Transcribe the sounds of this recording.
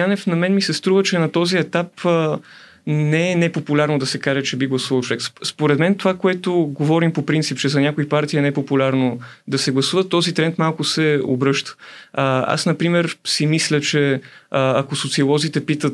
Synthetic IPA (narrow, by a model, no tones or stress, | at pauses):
janɛfnɐmɛnmisɛst̪ɾuvət͡ʃɛnɐt̪ɔziɛt̪apə | nɛɛnɛpopulʲaɾnod̪ɐsɛkaʒɛt͡ʃɛbiɡlˠɐsuvɐlˠt͡ʃovɛksspoɾɛd̪mɛnt̪ovakoɛt̪oɡovɔɾimpopɾint̪sip̚t͡ʃɛzɐnʲjakʊipaɾt̪iənɛɛpopulʲaɾnod̪ɐsɛɡlˠɐsuvət̪ːɔzit̪ɾɛnt̪malˠkʊsɛo̰bɾɤʃt̪ə̥ | a̰snɐpɾimɛɾsimislʲət͡ʃɛ | ɐkosot̪siolˠɔzit̪ɛpit̪ət̪